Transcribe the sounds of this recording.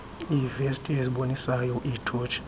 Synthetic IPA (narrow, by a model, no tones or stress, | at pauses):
ivɛstʼieziɓonisajɔʔitʰoːt͡ʃʰi̥